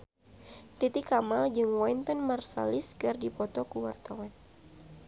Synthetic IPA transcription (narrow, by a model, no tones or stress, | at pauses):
t̪it̪ikamald͡ʒɨŋwɔint̪ɔnmarsa̰liskɨrdipɔt̪ɔkuwa̰rt̪awan